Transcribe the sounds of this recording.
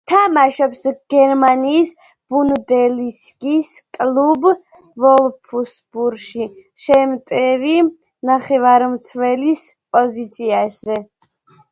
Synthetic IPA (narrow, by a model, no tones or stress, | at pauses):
t̪ʰamaʃɔpsɡ̥ɛɾmaniːs | b̥und̪ɛliskʼiskʼlub | vɔlˠpʰusbuɾʃiʃɛmt̪ʼɛvi | naχɛvaɾmt̪sʰvɛlispʼɔzit̪sʰiaszɛ